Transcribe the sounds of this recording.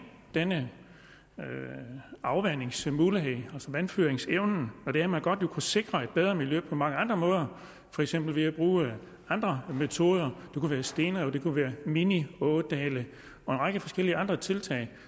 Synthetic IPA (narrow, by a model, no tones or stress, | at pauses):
d̥enə | ø | ɑ̈ʊʋæne̝ŋsmuːləɦeælsɒʋænfyɐeŋseʊn̩ɒ̽d̥e̝æɐmænɡ̥ɒ̽d̥jo̝kʰuse̝ɡ̥ʁɐe̝d̥̚b̥eð̞ˠʁɐmiljøpʰɒ̽mɑ̈ŋəɑ̈nd̥ʁɐmɔ̽ːð̞ˠɐ | fɒ̽eɡ̥sem̰b̥l̩ʋe̝æb̥ʁṵː | ɑ̈nd̥ʁɐmet͡sʰo̝ːð̞ˠɐd̥ekʰuʋæːɐsd̥e̝ːnəɒ̽d̥e̝kʰuʋæːɐminiɔːd̥ɛːlə | ɒ̽e̝nʁɑ̈ɡ̥əfɒ̽sɡ̥el̰iəɑ̈nd̥ʁɐt͡sʰe̝lt͡sʰɛ̰ɪ